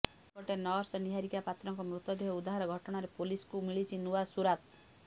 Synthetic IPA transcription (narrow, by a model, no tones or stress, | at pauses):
kɔʈenɔɾsɔniɦaɾikapat̪ɾɔŋkɔmɾut̪ɔd̪eɦɔud̪aɦaɾɔɡʱɔʈɔɽ̃aɾepoliskumiɭit͡ʃʰinuasuɾat̪